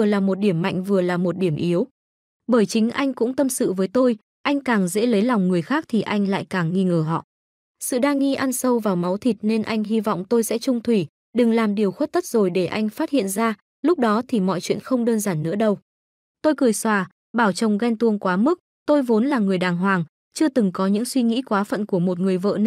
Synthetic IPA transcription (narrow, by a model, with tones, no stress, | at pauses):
vɨ˨˩əlaː˨˩mo˨˩t̚ɗi˧˩əmːa̰˧˨jŋ̟vɨ˨˩əlaː˨˩mo˨˩t̚ɗi˧˩əmʔi˨˦əw | ɓəː˧˩jt͡ɕï˨˦ŋ̟ʔa˧jŋ̟kʊ̰˧˥ŋ͡mt̪ə˧msɨ̰˧˨vəː˨˦jt̪o˧j | ʔa˧jŋ̟kaː˨˩ŋzḛ˧˥lə˨˦jla˨˩wŋ͡mŋɨ˨˩əjxaː˦˥k̚t̪ʰi˨˩ʔa˧jŋ̟la̰ː˧˨jkaː˨˩ŋːi˧ŋəː˧˩ɦɔ̰˧˨ | sɨ̰˧˨ɗaː˧ŋːi˧ʔa˧nsə˧wvaː˨˩wma˨˦wt̪ʰi˨˩t̚ne˧nʔa˧jŋ̟ɦi˧vɔ̰˧˨wŋ͡mt̪o˧jsɛ̰˧˥t͡ɕʊ˧ŋ͡mt̪ʰwi˧˩ | ɗɨ˨˩ŋlaː˨˩mɗi˨˩əwxwt̚t̪ə˦˥t̚zo˨˩jɗe˧˩ʔa˧jŋ̟faː˦˥t̚hḭ˧˨ənzaː˧ | lʊ˦˥k͡p̚ɗɔ˨˦t̪ʰi˨˩mɔ̰˧˨jt͡ɕwḭ˧˨ənxə˧wŋ͡mɗəː˧nzaː˧˩nːɨ̰˧˥əɗə˧w | t̪o˧jkɨ˨˩əjswaː˨˩ | ɓaː˧˩wt͡ɕə˨˩wŋ͡mɣa˧jŋt̪u˧˩əŋkwaː˨˦mɨ˦˥k̚ | t̪o˧jvo˨˦nlaː˨˩ŋɨ˨˩əjɗaː˨˩ŋɦwaː˨˩ŋ | t͡ɕɨ˧ət̪ɨ˨˩ŋkɔ˨˦ɲɨ̰˧˥ŋswi˧ŋḭ˧˥kwaː˨˦fə̰˧˨nku˧˩əmo˨˩t̚ŋɨ˨˩əjvə̰ː˧˨n